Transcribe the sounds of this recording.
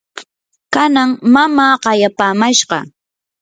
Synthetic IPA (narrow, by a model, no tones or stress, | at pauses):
kanaŋmamaːɢɑjapaːmaʃɢɑ̰